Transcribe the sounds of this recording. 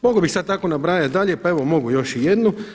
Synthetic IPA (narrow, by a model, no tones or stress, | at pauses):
moɡobixsad̪̚t̪ako̞nabɾaːjat̪d̪aʎepae̞ʋomo̞ɡujo̞ʃijed̪nu